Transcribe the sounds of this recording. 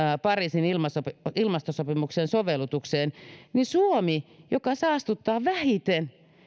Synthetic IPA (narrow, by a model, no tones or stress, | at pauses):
pɑrisinilmɑsopilmɑst̪osopimuksensoʋelːˑut̪ukseːnnisuomijokɑsɑɑst̪ut̪ːɑːʋæhit̪en